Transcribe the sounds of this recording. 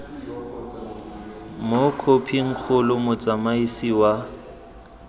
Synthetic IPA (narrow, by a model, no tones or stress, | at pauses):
mokʰopʰiŋ̩k͡xʰʊlʊmʊt͡sʼamaisiwa